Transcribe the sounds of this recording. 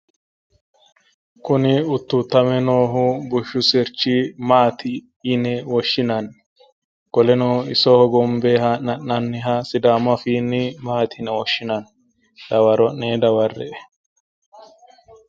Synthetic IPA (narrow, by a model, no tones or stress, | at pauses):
kʊnɪʊt̪ːut̪ːɐmɛnoːɦʊbʊʃːʊsɛɾt͡ʃːimaːt̪ɪː | nɛwɔʃːɪnɐn | ɡ̥ɔlɛnoɪsɔhɔɡɔmbeɦɐnɐnːɐnːɪɦɐsɪd̪aːmɐfiːnːɪmaːt̪ɪnɛwɔʃːɪnɐn | d̪̥ɐwɐɾɔnːeːd̪ɐwɐrːɛ̰ʔɛ